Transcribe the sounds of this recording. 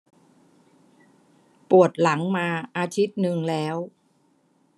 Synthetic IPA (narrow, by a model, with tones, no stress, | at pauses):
pu˨˩ət̪̚la˩˦ŋmaː˧ʔaː˧t̪ʰi˦˥t̪̚nɯ˧ŋlɛː˦˥w